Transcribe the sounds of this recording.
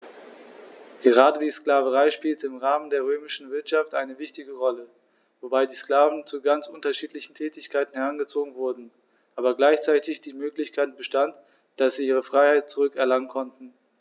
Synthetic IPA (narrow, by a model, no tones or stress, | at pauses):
ɡ̥əʁ̞aːdədiːsklaːvəʁaɪʃpiːltəɪmʁaːməndeːɐʁøːmɪʃn̩vɪɐtʃaftʔaɪnəvɪçtɪɡəʁɔlə | vobaɪdiːskl̥aːvn̩t͡suɡant͡sʔʊntɐʃiːtlɪçn̩tʰɛːtɪçkʰaɪtn̩hɛʁanɡət͡soːɡŋ̩vʊɐdn̩ | ʔaːbɐɡlaɪçt͡saɪtɪçd̥iːmøːklɪçkʰaɪt̚b̥əʃtant | d̥asz̥iːiːʁ̞əfʁ̥aɪhaɪt̚t͡suʁʏkɛɐlaŋənkʰɔntn̩